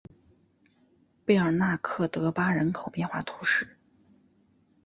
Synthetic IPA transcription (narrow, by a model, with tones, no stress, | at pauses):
pe˥˩ɪə˞˨˩na˥˧kʰɤ˥˩t̪ɤ˧˥pa˥ɻə˧˥nkʰo˨˩ʊpjɛ˥˧nxwa̰˥˩t̪ʰu˧˥ʂɻ̩˥˩